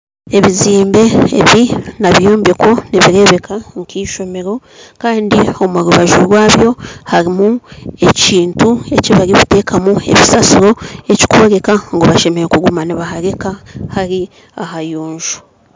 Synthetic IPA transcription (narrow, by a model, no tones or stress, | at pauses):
e̞βiziːmbe̞ːβinaβjoːmbe̞ko̞niβiɾe̞βe̞kʰaŋkiːʃo̞me̞ɾo̞ | kaːndio̞muɾuβaʒuɾwaːβjo̞haɾimue̞ciːntue̞ciβaɾiβute̞ːkamue̞̰βisasuɾo̞e̞ci̥kuβoɾe̞kaŋɡo̞βaʃe̞me̞ɾekuɡumaniβahaɾe̞kahaɾi | aɦajuːɲʒu̥